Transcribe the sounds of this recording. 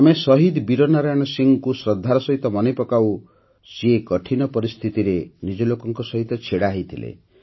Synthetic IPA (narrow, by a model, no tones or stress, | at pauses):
amesɔɦid̪biɾɔnaɾaɽ̃ɔsiŋkusɾɔd̪ʱːaɾɔsɔɦit̪ɔmɔnejpɔkaw | sekɔʈʰinɔpɔɾist̪ʰit̪iɾenid͡ʒɔlokɔŋkɔsɔɦit̪ɔt͡ʃʰeɽaɦit̪ʰilḛ